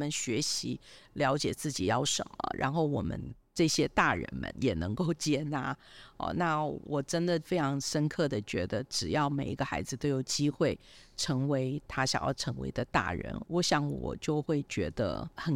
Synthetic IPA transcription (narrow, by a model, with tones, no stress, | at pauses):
mə˨nɕɥɛ˧˥ɕi˧˥ljɑ˧˥ʊt͡ɕjɛ˨˩t͡sɹ̩˥˩t͡ɕi˨˩jɑ˥˩ʊʂə̰˨˩mə̰˦ɻʔa̰˧˥nxo˥˩ʊwɔ˨˩mə̰˦n | ʈ͡ʂɤ˥˩ɕjɛ˥t̪a˥˩ɻə̰˧˥nmə̰˧njɛ˨˩nɤ˧˥ŋko˥˩ʊt͡ɕjɛ˥na̰˧˩˧na˥˩wɔ˨˩ʈ͡ʂə˥nd̪ə˨fe˥ɪʈ͡ʂʰɑ˧˥ŋʂə˥nkʰɤ˥˩d̪ə˩t͡ɕɥɛ˧˥d̪ə˧ʈ͡ʂɻ̩˨˩jɑ˥˩ʊme˨˩ɪi˧˥ɡə˧xa˧˥ɪd͡zɹ̩˧t̪o˥ʊjo˨˩ʊt͡ɕi˥xwe˥˩ɪʈ͡ʂʰɤ˧˥ŋwe˧˥ɪt̪ʰa˥ɕjɑ̰˨˩ŋjɑ̰˥˩ʊʈ͡ʂʰɤ˧˥ŋwḛ˧˥ɪd̪ə˧t̪a̰˥˩ɻə̰˧˥nwɔ˧˥ɕjɑ˥˩ŋwɔ̰˨˩t͡ɕjo˥˧ʊxwe˥˩ɪt͡ɕɥɛ˧˥d̪ə̰˧xə˨˩n